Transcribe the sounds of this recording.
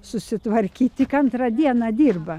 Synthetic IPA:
sʊsʲɪt̪ʋɐɾʲkʲiːtt̪ʲɪkɐnt̪ɾɐd̪ʲiɛnɑd̪ʲiːrbɐ

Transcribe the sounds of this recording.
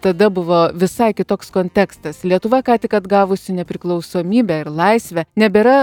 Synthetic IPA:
t̪ɐd̪ɐbʊʋoːʋʲɪsɐɪkʲɪt̪oːkskoːnʲt̪ʲæːkst̪ɐslʲiɛt̪ʊʋɐkɑːt̪ʲɪkɐd̪ɡɑːʋʊsʲɪnʲɛpʲɾʲɪklˠɐʊsoːmʲiːbʲæɪɾlˠɐɪsʲʋʲɛnʲɛbʲɛɾɐ

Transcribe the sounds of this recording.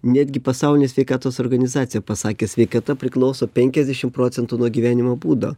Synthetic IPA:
nʲæd̪ʲɡʲɪpɐsɑʊlʲɪnʲeːsʲʋʲɛɪkɑːt̪oːsoːɾɡɐnʲɪzɑːt̪sʲɪjɛpɐsɑːkʲeːsʲʋʲɛɪkɐt̪ɐpʲɾʲɪklˠɒʊsoːpʲɛŋʲkʲɛzʲd̪ʲɛʃʲɪmpɾoːt̪sʲɛnt̪uːnuɔɡʲiːʋʲæːnʲɪmoːbuːd̪o̰ː

